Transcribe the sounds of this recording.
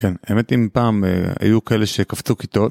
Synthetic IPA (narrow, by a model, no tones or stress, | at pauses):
kenaemet̪impaːmḛa̰jukaeleʃekaft͡sukit̪o̞t